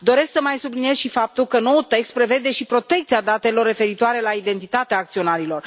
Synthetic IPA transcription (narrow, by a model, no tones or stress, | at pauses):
d̪o̞ɾe̞sksəmajsublinije̞zʃifap̚t̪ulkəno̞wult̪e̞kst̪̚pɾe̞ve̞d̪e̞ʃipɾo̞t̪e̞kt̪siad̪at̪e̞lo̞rːe̞fe̞ɾit̪oaɾe̞laid̪e̞nt̪it̪at̪eaːkt̪sio̞naɾilo̞r